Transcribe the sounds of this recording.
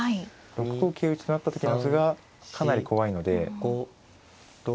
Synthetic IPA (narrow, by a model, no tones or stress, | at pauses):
ai | ɾo̞kɯ̟koːkʲʰeːɯt͡ɕi̥t̪onat̪ːat̪o̞kʲinsɨɡa | kʰanaɾʲikʰo̞βaino̞d̪e̞